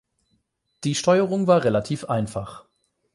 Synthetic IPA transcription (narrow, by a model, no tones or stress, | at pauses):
d̥iːʃtɔʏəʁʊŋvaːɐʁelatʰiːfʔaɪnfaχ